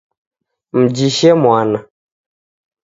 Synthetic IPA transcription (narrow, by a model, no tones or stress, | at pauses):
m̩d͡ʒiʃɛmɔ̃anã